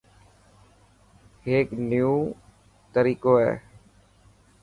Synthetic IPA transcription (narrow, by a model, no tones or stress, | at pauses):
ɦeːknjuː | t̪əɾiːkoːɦɛ̰ː